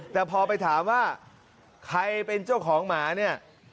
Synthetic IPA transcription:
t̪ɛː˨˩pʰɔː˧pa˧jt̪ʰaː˩˦mwaː˥˩ | kʰa˧jpe˧nt͡ɕa˥˩kʰɔː˩˦ŋmaː˩˦ni˥˩ɐ

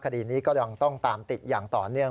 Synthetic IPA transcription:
kʰa˧diː˨˩niː˦˥kɔː˥˩ja˧ŋt̪ɔ˥˩ŋt̪aː˧mt̪i˨˩t̪̚jaː˨˩ŋt̪ɔ̰ː˨˩nɯ˥˩ə

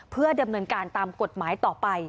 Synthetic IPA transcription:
pʰɯ˥˩ɐda˧mnɤː˧nkaː˧nt̪aː˧mko˨˩t̪̚maː˩˦jt̪ɔː˨˩pa˧j

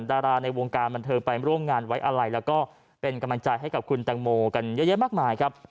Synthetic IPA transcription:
daː˧ɾaː˧na˧jwo˧ŋkaː˧nba˧nt̪ʰɤː˧ŋpa˧jɾu˥˩əmŋaː˧nwa˦˥jʔa˧ɾa˧jlɛː˦˥wkɔː˥˩ | pe˧nka˧mla˧ŋt͡ɕa˧jɦa˥˩jka˨˩p̚kʰu˧nt̪ɛː˧ŋmoː˧ka˧njɤ˦˥ja˦˥ʔmaː˥˩k̚maː˧jkʰɾa˦˥p̚

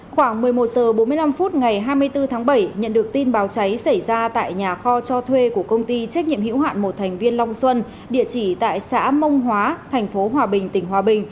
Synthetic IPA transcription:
xwaː˧˩ŋmɨ˨˩əjmo˨˩t̚zəː˨˩ɓo˨˦nmɨ˧əjla˧mfu˦˥t̚ŋa˨˩jɦaː˧jmɨ˧əjt̪ɨ˧t̪ʰaː˨˦ŋɓə˧˩jɲə̰˧˨nɗɨ˨˩ək̚t̪i˧nɓaː˨˦wt͡ɕa˨˦jsə˧˩jzaː˧t̪a̰ː˧˨jɲaː˨˩xɔ˧t͡ɕɔ˧t̪ʰwe˧ku˧˩əkə˧wŋ͡mt̪i˧t͡ɕa˦˥k̚ɲḭ˧˨əmhḭ˧˥wɦa̰ː˧˨nmo˨˩t̪̚ʰɛ˨˩ŋ̟vi˧ənla˧wŋ͡mswə˧n | ɗḭ˧˨ət͡ɕi˧˩t̪a̰ː˧˨jsa̰ː˧˥mə˧wŋ͡mɦwaː˨˦t̪ʰɛ˨˩ŋ̟fo˨˦ɦwaː˨˩ɓï˨˩ŋ̟t̪ï˧˩ŋ̟ɦwaː˨˩ɓï˨˩ŋ̟

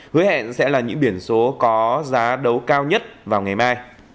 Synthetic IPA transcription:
hɨ˨˦hɛ̰˧˨nsɛ̰˧˥laː˨˩ɲɨ̰˧˥ŋɓi˧˩ənso˨˦kɔ˨˦zaː˨˦ɗə˨˦wkaː˧wɲə˦˥t̚vaː˨˩wŋa˨˩jmaː˧j

